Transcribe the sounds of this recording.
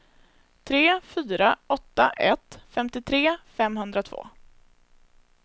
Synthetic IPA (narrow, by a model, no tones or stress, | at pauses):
t̪ʰɾeːfyːɾaɔt̪ːaʔɛt̪fɛmt̪ɪt̪ʰɾeːfɛmɦɵnd̪ɾat̪ʰvo̰ː